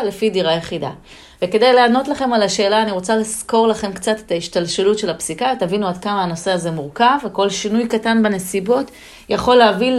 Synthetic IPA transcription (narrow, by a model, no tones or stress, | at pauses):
le̞fidiʁajeχida̰ | veke̞dajlaano̞tlaχe̞malaʃe̞ːlaːniʁo̞t͡salisko̞ʁlaχe̞mkt͡sate̞̥t̪aiʃtalʃelutʃe̞lapsikat̪avinuadkamaːno̞se̞aze̞muʁkaveko̞lʃinujkatanbene̞sibo̞t | jaχo̞leavil